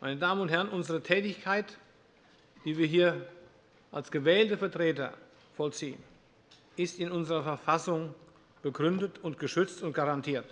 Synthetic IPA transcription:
mʔaɪnədaːmənʊnthɛɐʁənʔʊnzəʁətʰɛːtɪçkʰaɪt | d̥iːviːɐɦiːɐ | ʔalsɡ̥əvɛːltəfɛɐtʁ̥eːtɐ̰ | fɔlt͡siːən | ʔɪstɪnʊnzəʁɐfɛɐfasʊŋ | b̥əɡʁʏndətʰʊntɡ̥əʃʏt͡stʊnt̚ɡ̥aʁantʰiːɐt

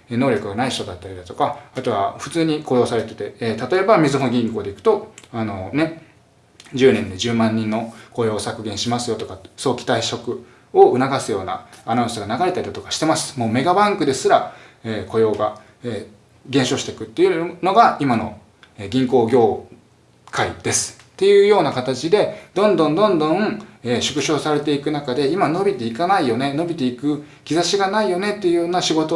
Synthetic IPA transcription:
eno̞ːɾʲo̞kɯ̟ɡanaiɕi̥t̪o̞d̪at̪ːaɾʲid̪at̪okaːt̪o̞βaɸɯ̟t͡sɨːɲ̟iko̞ːjo̞ːsaɾe̞t̪e̞t̪et̪at̪o̞e̞bamʲizɨɦoɡʲĩŋko̞ːd̪eikɯ̟̥t̪o̞ano̞ne̞ | d͡ʑɨːnẽ̞nd̪e̞d͡ʑɨːmãɲ̟ːĩnːo̞ko̞jo̞ːsakɯ̟ɡẽɰ̃ɕimasɨjo̞t̪o̞kaso̞ːkʲi̥t̪aiɕo̞kɯ̟ | oɯ̟naɡasɨjo̞ːna̰ːnaɯ̃sɨɡanaɡaɾe̞t̪aɾʲid̪at̪o̞kaɕi̥t̪e̞masɨ̥mo̞ːme̞ɡabãŋkɯ̟d̪e̞sɨɾa | eːkʰo̞jo̞ːɡa | eː | ɡẽ̞ɰ̃ɕo̞ːɕi̥t̪e̞kɯ̟t̪ːe̞jɯ̟no̞ɡaimano̞̰ | eɡʲĩŋko̞ːɡʲo̞ː | kʰaḭd̪̥e̞sɨ̥ | t̪ːe̞jɯ̟ːjo̞ːnakat̪at͡ɕid̪e̞d̪õ̞nd̪õ̞nd̪õ̞nd̪õ̞ŋeɕɨ̥kɯ̟ɕo̞ːsaɾe̞t̪̬e̞ikɯ̟nakad̪e̞imano̞bʲit̪e̞ikanaijo̞ne̞no̞bʲit̪e̞ikɯ̟ | kʲizaɕiɡanaijo̞ne̞t̪ːe̞jɯ̟joːnaɕiɡo̞t̪o

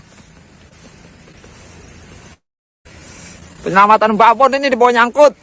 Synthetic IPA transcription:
pəɲəlamat̪anbabɔninidipɔɔɲaŋkʊt̪̚

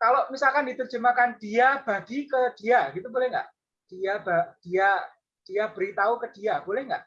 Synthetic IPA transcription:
kalomisalkandit̪ərd͡ʒəmakand̥iab̥aɡ̥ikəd̥iaɡit̪ubolɛhŋɡa̰ʔ | d̥iabad̥ia | d̥iabəɾit̪aukəd̥iabolɛhŋɡa̰ʔ

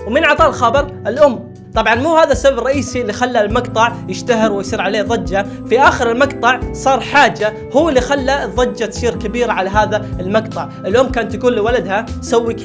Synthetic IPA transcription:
wmɪnʕɑt̪ˤɑːlxɑbɑɾˤʔɪlʔʊmː | t̪ˤɑbʕɑnmuːhaːðasːababrˤɑʔiːsilːixalːalmɑqt̪ˤɑʕjɪʃt̪aɦɪɾwɪjsˤiːɾʕaleːðˤɑd͡ʒːa | fiʔaːxɪɾɪlmɑqt̪ˤɑʕsˤɑːɾˤħaːd͡ʒːa | hʊːɪlːixalːaðˤːɑd͡ʒːat̪siːɾkabiːɾaʕalaɦaːðaɪlmɑqt̪ˤɑʕ | ɪlʔʊmːkaːnt̪jakuːnlːiwalad̪hasawːik

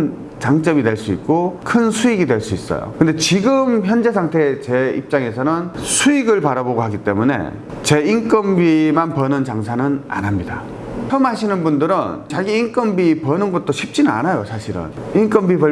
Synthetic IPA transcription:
n | t͡ɕaŋt͡ɕ͈ʌmidwe̞ɭs͈uit̚k͈okʰɯnsʰuiɡidwe̞ɭs͈uis͈ʌ̰jo̰kɯnde̞t͡ɕiɡɯmçjʌnd͡ʑe̞sʰaŋtʰe̞t͡ɕe̞ḭp̚t͡ɕ͈aŋe̞sʰʌnɯnsʰuiɡɯɭpaɾaboɡoɦaɡit͈e̞mune̞̰ | t͡ɕe̞iŋk͈ʌmbimanpʌnɯnt͡ɕaŋsʰanɯna̰nɦamɲida̰ | çʰʌmɦaɕʰinɯnbundɯɾɯnt͡ɕaɡiːŋk͈ʌmbipʌnɯnɡʌt̚t͈oɕʰip̚t͡ɕ͈inɯna̰najosʰaɕʰiɾɯ̰niŋk͈ʌmbibʌ

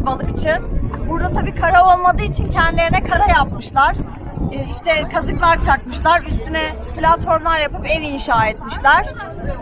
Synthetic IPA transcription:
balˠɯkt͡ʃʰɯnbuɾd̪at̪ʰabiːkʰaɾao̞lˠmad̪ɯit͡ʃʰincʰɛnd̪ilʲe̞ɾinɛkʰaɾajapmɯʃlˠaɾ̥ | iʃt̪ʰɛkʰazɯklˠaɾt͡ʃʰakmɯʃlˠaɾyst̪ʰynɛ | plʲat̪fo̞ɾmlˠaɾjapɯpevinʃaːɛt̪miʃlʲæɾ̥

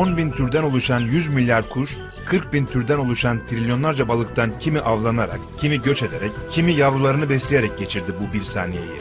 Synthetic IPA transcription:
onbint̪ʰyɾd̪æno̞lˠuʃanjyzmilʲjaɾkʰuʃ | kʰɯɾk̚bint̪ʰyɾd̪æno̞lˠuʃant̪ʰɾilʲjo̞nlˠaɾd͡ʒabalˠɯk̚t̪ʰancʰimiʔavlˠanaɾa̰kcʰimiɟø̞t͡ʃe̞d̪e̞ɾɛccʰːimijavɾulˠaɾɯnɯbɛslʲeje̞ɾɛc̚ɟe̞t͡ʃʰiɾd̪ibubiɾsa̰ːnije̞̰jḭ

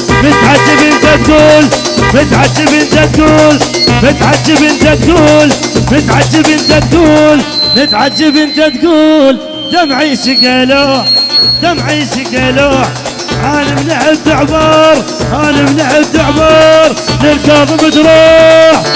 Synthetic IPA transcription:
mət̪ʕad͡ʒːəbʔənt̪æt̪ɡuːl | mət̪ʕad͡ʒːəbʔənt̪æt̪̚ɡuːlmət̪ʕad͡ʒːəbʔənt̪æt̪̚ɡuːlmət̪ʕad͡ʒːəbʔənt̪æt̪ɡuːlmət̪ʕad͡ʒːəbʔənt̪æt̪ɡuːl | d̪æmʕiʃəɡæloħd̪æmʕiːʃəɡæloħ | ʕænimnaħəb̚t̪əʕbɑɾˤhænimnaħəb̚t̪əʕbɑɾˤləlkɑfəmət̪ɾuːħ

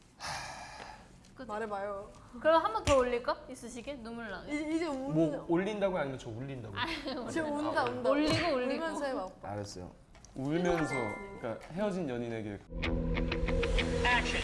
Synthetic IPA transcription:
a | k͈ɯmaɾebajo | kɯɾʌmehambʌntʌoʎːiɭk͈ais͈ɯɕʰiɡe̞numuɭːaiid͡ʑeumʌoʎːindaɡoaɲiment͡ɕʰʌuʎːindaɡaeendaondoʎːiɡooʎːimʌnsʰʌeaa̰ɲes͈ʌjo̰ | uɭmjʌnsʰʌk͈ahe̞ʌd͡ʑinjʌɲineɡiɾeɭkʰ

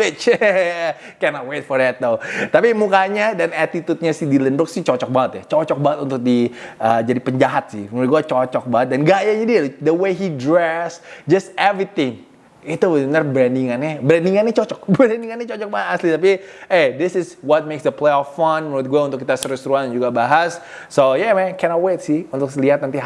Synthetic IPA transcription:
wɪt͡ʃ | kɛnɔt̪̚wet̪̚fɔrɛt̪̚dot̪apimukaɲadanat̪it̪ut̪̚ɲasihdilɛnɾʊksɪt͡ʃɔt͡ʃɔk̚baŋət̪jat͡ʃɔt͡ʃɔk̚baŋət̪unt̪ʊk̚diəd͡ʒadipəɲd͡ʒaɦat̪̚sɪ̰hmət̪̚ɡuat͡ʃɔt͡ʃɔk̚baŋət̪̚danɡajaɲadiadəwejidɾɛsd͡ʒʌst̪ɛvɾit̪ɪŋ | it̪ubənərbɾɛndiŋanːɛbɾɛndiŋanɛt͡ʃɔt͡ʃɔk̚bɾɛndiŋanːɛt͡ʃɔt͡ʃɔk̚baŋət̪aslit̪ap̬iedɪsɪswɔt̪̚meksd̪əpleɔfant̪̚ɡuaunt̪ʊkːit̪asəɾusɾuannd͡ʒuɡabaɦasː | ojɛmɛnkɛnɔt̚wet̪̚sɪhunt̪ʊksəliɦat̪nant̪i

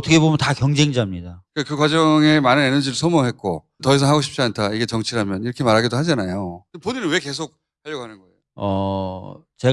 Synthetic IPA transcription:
ʌt͈ʰʌkʰebomjʌntakjʌŋd͡ʑe̞ŋd͡ʑamɲidakɯkɯkwad͡ʑʌŋe̞manɯnenɯnd͡ʑiɾɭsʰʌmoɦe̞tk̚k͈o | tʌis̬ʰʌnɦaɡoɕʰi̥p̚t͡ɕ͈iantʰaiɡe̞t͡ɕʌŋt͡ɕʰiɾamjʌniɾʌkʰe̞maɾɦaɡidoɦad͡ʑanajoponiɾɯnweke̞s̬ʰok̚ | haʎːʌɡoɦanɯnɡʌejoʌ | t͡ɕe̞

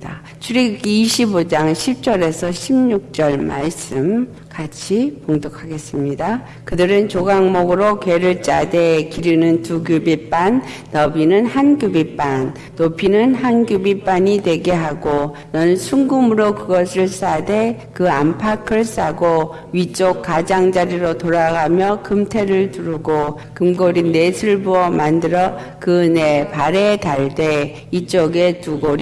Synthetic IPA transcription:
a | t͡ɕʰuɾiɡiɕʰibod͡ʑaŋɕʰip̚t͡ɕ͈ʌɾe̞sʰʌɕʰimɲuk̚t͡ɕ͈ʌɭma̰ɭs͈ɯm | kat͡ɕʰipoŋdokʰaɡe̞s͈ɯmɲida | kɯdɯɾɯnt͡ɕoɡaŋmoɡɯɾokwe̞ɾɯɭt͡ɕ͈ade̞kiɾinɯntuɡjubip͈anː | ʌbinɯnhanɡjubip͈an | topʰinɯnɦanɡjubip͈aɲidwe̞ɡeɦaɡo | nʌnɯnsʰuŋɡɯmɯɾokɯɡʌsʰɯɭs͈ade̞kɯampʰakʰɯɭs͈aɡo | ɥit͡ɕ͈okk͈ːad͡ʑaŋd͡ʑaɾiɾotoɾaɡamjʌkɯmtʰe̞ɾɯɭtuɾuɡo | kɯmɡoɾine̞sʰɯɭbuʌmandɯɾʌ | kɯnepaɾetaɭde̞ | it͡ɕ͈oɡe̞tuɡoɾi

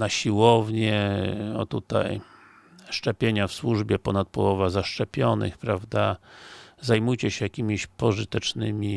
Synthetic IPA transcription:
naɕiwɔvɲɛɔ̰t̪ut̪a̰j | ʂt͡ʂɛpʲjeɲafswuʐbʲjɛpɔnat̪̚pɔwɔvazaʂt͡ʂɛpʲjɔnɘ̰xpɾavd̪a | zajmujt͡ɕɛɕɛjakʲimʲiɕpɔʐɨt̪ɛt͡ʂnɘmʲi

